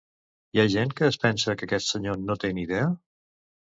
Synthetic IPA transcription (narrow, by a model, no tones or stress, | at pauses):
jaʒeŋkəːspɛnsəkəkɛst̪səɲonot̪eniðɛə